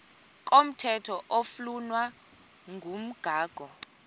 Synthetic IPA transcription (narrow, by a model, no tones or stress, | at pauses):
k̬ʼom̩tʰɛtʰɔʔoflunwa | ŋʱum̩ɡ̥ʱaːɡ̥ʱɔ